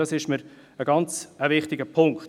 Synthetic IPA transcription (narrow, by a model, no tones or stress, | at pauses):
ɑsɪʃməɾ | əɡɑnt͡səvɪχtɪɡəpʰʊŋk